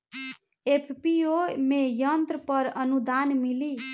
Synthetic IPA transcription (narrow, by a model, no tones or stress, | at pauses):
epʰpiomejʌnt̪ɾəpʌɾʌnud̪anmili